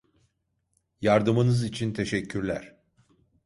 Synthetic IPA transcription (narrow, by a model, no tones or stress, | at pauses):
jaɾd̪ɯmɯnɯzit͡ʃʰint̪ʰe̞ʃɛcʰːyɾlʲæ̰ɾ̥